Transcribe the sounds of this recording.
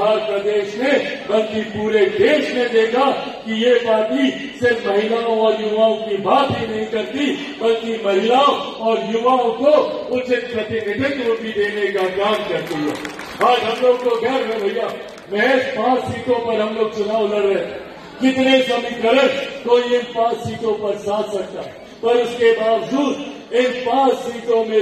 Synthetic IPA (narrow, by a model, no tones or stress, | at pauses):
aːɾpad̪eːʃmẽbɐlkipuːɾed̪eːʃmẽd̪eːk̪a | kijebaːt̪i | sɪɾfmɐɦɪlaːõɔːɾjʊʋaːõkibʱaːt̪ɦinɐɦĩkɐɾt̪i | bɐlkimɐɦɪlaːõ | ɔːɾjʊʋaːõkoʊt͡ʃɪt̪̚pɾɐt̪ɪnɪd̪ʱɪt̪ɾoːʈid̪eːnekakaːmkɐɾt̪iḛː | aːd͡ʒɦɐmloːɡkoɡɛːɾbɛbʱoɪjaː | mɛʃpãːssiːt̪õpɐɾɦɐmloːɡ̚t͡ʃʊnaːʋlɐɾɐɦẽ | kɪt̪nesɐmĩkɐɾəɾkoːiɪnpãːssiːt̪õpɐɾsaːt̪sɐk̚t̪aːɦɛ | pɐɾʊskebaːʋd͡ʒuːd̪ | ɪnpãːssiːt̪õmẽ